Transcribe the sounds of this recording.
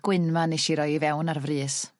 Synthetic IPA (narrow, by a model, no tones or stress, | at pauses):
ɡ̥wɪnmaniʃiɾɔjivɛwnarvriːs